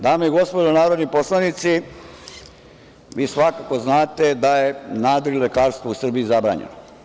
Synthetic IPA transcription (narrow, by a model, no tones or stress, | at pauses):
d̪aːmeiɡo̞spod̪onaːɾod̪niposlˠanit̪si | ʋiːsʋakako̞znaːt̪e̞d̪aje̞naːd̪oɾlekaːɾst̪ʋousr̩bijizabɾa̰ːɲḛno